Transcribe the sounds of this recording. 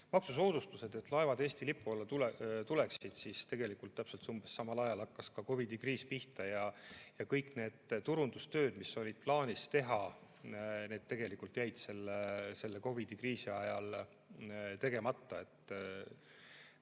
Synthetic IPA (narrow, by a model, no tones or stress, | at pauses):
mɑksuso̞ːd̪ust̪use̞d̪̥e̞t̪lɑe̞vɑd̪e̞ːst̪ilipːˑuolːɑt̪ult̪ule̞ksid̪̥sist̪e̞ɡe̞likˑult̪ːæpse̞lt̪sumbesːɑmɑlɑjɑlɑkːɑskɑko̞vid̪̥ikriːspiht̪ɑjɑjɑkɤjkːˑne̞ːd̪̥t̪uɾund̪ust̪ø̞ːd̪̥misːo̞lʲid̪̥̚plɑːnʲist̪e̞ɦɑ | neːd̪̚t̪ːe̞ɡ̥e̞likːˑult̪jæjd̪̥se̞lːese̞lːe̞ko̞vid̪̥ikriːsiɑjɑl | t̪e̞ɡ̥e̞mɑt̪ˑːɑe̞t̪ːˑ